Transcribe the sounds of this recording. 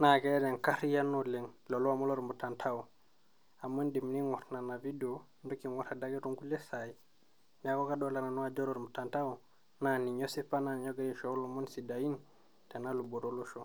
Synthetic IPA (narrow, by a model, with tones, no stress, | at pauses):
na˨ke˦e˦de˨ŋka˦ɾi˦ja˦no˦le˨ŋlo˨lu˦a˨mo˦lo˦ɾmbu˨ta˨ntʰa˦u˨ | a˨mːa˦ndi˨m˨ni˦ŋo˨tna˨na˨vi˦do˦ | ndo˦ki˨ŋo˦ɾa˨da˦ɡi˦ɾu˦ŋɡu˦le˦sa˨i˨ | ɲa˨ko˦ka˦do˦la˨na˨no˦a˦d͡ʒo˦ɾo˦ɾmbu˨ta˨nta˦u˨ | na˨ni˨ɲo˦si˦fa˦na˨ɲo˦ɡa˦ɾi˦ʃo˦lu˦mo˦nsi˨da˨ji˦n | te˨na˦lu˨bo˨ɾo˦lo˦ʃo˨